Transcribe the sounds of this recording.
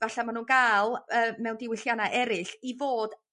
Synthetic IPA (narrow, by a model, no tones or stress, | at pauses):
vaɬamanuːnɡaːlˠəːmɛwndɪwɪɬjanaʔɛɾɪɬivoːd